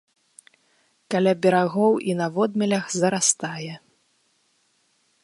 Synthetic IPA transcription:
kalʲabʲɛɾaɣɔwinɐvɔd̪mʲɛlʲɐxzɐɾast̪ajɛ

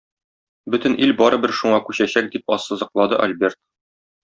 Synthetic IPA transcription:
bɵt̪ɘ̆nʔilbɒɾɤ̆bɘɾʃuɴɑkʉɕæɕæk̚d̪ip̚ɒsːɤ̆zɤ̆qlˠɑd̪ɤʔɐ̰lʲbʲe̞rt̪̚

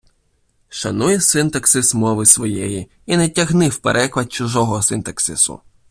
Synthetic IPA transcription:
ʃɐnujɛsɪnt̪ɐksɪsmɔʋɪsʋɔjɛji | inɛtʲɐɦnɪwpḛɾʔɛklˠɐd̪̚t͡ʃʊʒɔɦɔsɪnt̪ɐksɪsʊ̰

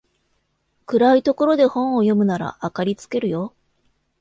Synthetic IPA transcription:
kɯ̟ɾait̪o̞ko̞ɾo̞d̪e̞hõ̞ɰ̃o̞jo̞mɯ̟naɾa̰akaɾʲit͡sɨ̥ke̞ɾɯ̟jo̞

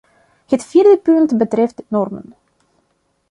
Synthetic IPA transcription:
hətfirdəpʏntbətrɛftnɔrmə̰n

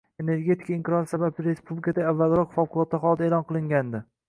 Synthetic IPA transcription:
e̞ne̞ɾɡʲe̞t̪ʰi̥kʰaiŋkʲɾɒɾɪsabablɪɾe̞spublikʰad̪aavːalɾɒqfɒwqʰʊlˠɒt̪ːaχɒlˠd̪aelˠɒnqʰɨlˠɪŋɡʲand̪ɪ

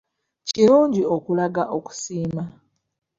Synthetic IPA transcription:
ciɾuːɲɟio̞kulaɡaʔo̞ku̥siːma

